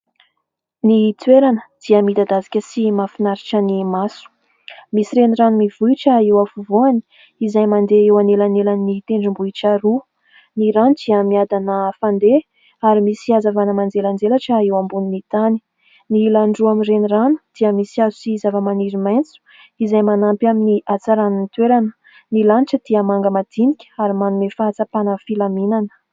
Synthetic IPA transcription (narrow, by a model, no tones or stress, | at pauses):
nit̪weɾanə̥d̪̥iəmid̪ad̪azi̥kʲəsimafinaɾiʈ͡ʂənimasu̥ | misiɾeniranumivuiʈ͡ʂəewafuvuani̥ | izajmand̪eewanelanelaninit̪eɳɖ͡ʐumbuiʈ͡ʂaɾu | niɾanud̪̥iəmiad̪anəfand̪e | aɾimisiazavanəmand͡zeland͡zelaʈ͡ʂəewambuninit̪ani̥ | nilaɳɖ͡ʐuamireniranu̥d̪̥iəmisiazusiːzavəmaniɾimajnt͡su̥ | izajmanampjaminiʔat͡saɾaninit̪weɾanə̥ | nilaniʈ͡ʂəd̪̥iəmaŋɡəmad̪̥inikʲə̥aɾimanumefaat͡sapanəfilaminanə̥